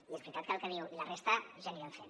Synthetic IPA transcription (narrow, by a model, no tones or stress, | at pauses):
iezβɾit̪at̪kəlˠkəniwilarest̪aʒaniβaɱfen